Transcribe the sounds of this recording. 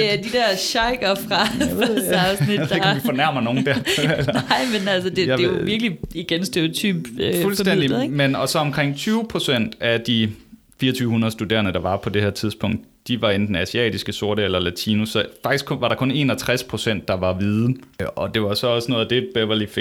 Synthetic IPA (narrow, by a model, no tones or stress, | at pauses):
eæd̥id̥eɐ̰ɕɑ̈ɪɡ̥ɐfʁɑfəɑʊsniddekʰifɒnæɐ̰mɐno̝ːn̩d̥æɐelɐnɪ̰menælsəd̥e̥e̝joʋiɐɡ̥əliiɡ̥ensd̥eot͡sʰy̰ːb̥ulsd̥endiɡmenɒ̽sɒ̽ɒ̽mkʰʁeŋ̰t͡sʰyːʊpʰʁo̝sen̰d̥æd̥i | fiːɐɒt͡sʰyːʊhunɐðˠsd̥ude̝̰ːɐnəd̥ɑ̈ʋɑ̈pʰɒ̽d̥e̝hæɐ̰t͡sʰiðˠsb̥ʰɔ̽ŋ̰d̥̚ | d̥iʋɑ̈end̥n̩æsiɛ̰ːd̥isɡ̥əso̝ɐɾəelɐlæt͡sʰiːnusɒ̽fɑ̈ɡ̥isʰʋɑ̈ɾ̥ɑ̈kʰɔ̽ne̝̰ːnɒt͡sʰʁaspʰʁo̝sen̰d̥ːɑ̈ʋɑ̈ʋið̩ˠɒ̽d̥e̝ʋɑ̈sɒ̽ɒ̽snɔ̽ːðˠæd̥e̝d̥̚b̥ebɐlife